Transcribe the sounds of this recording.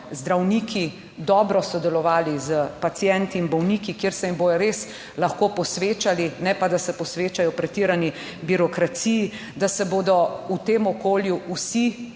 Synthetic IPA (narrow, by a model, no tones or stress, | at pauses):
zd̪ɾawnikʰi | d̪ɔːbɾɔsɔd̪ɛlɔʋaːlizəpat̪sjɛnt̪iːnbɔwniːkikjeɾsɛimbojɔɾes | laxkoːpɔsʋeːt͡ʃalinɛpad̪asɛpɔsʋeːt͡ʃajɔpɾɛt̪iːɾani | biɾɔkɾat̪siji | d̪asɛboːd̪ɔut̪eːmɔkoːljuusi